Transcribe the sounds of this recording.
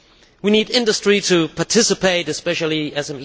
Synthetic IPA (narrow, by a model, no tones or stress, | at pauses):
winidɪ̃ndəstɹ̥iɾɨpʰɑtʰɪsɨpeɪɾɨspɛʃl̩ˠiɛzə̃m